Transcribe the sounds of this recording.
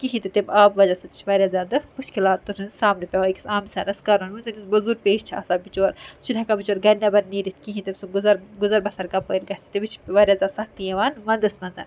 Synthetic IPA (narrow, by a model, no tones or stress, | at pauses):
kiɦĩt̪ɨt̪ebaːbʋɐd͡ʒasɐt̪i̥t͡ʃʰʋaɾʲjaːzʲaːd̪ɨmuʃkilaːt̪ːuɾʰɨnsaːmnepʲaʋoiki̥saːmsʲaːnɐskaɾɐnuzɐnisbɐzuɾpeːʃt͡ʃʰa̰ːsaːbit͡ʃoːɾsʰulʲɐkabit͡ʃoːɾɡɐnʲːabɐɾniːɾit̪̚ʰkiɦĩt̪ebsuɡuzɐɾɡuzɐɾbɐsɐɾkɐpəːɾɡɐt͡ʃʰi̥t̪ebit͡ʃʰi̥ʋaɾʲjaːzʲaːsɐk̚t̪ijeʋaːnʋɐnd̪ɐsmɐnza̰ːnʲ